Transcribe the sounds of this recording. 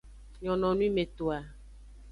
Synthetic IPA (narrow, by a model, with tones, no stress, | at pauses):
ɲɔ̃˨nɔ̃˨nũ˦i˦mẽ˨t̪o˨a˨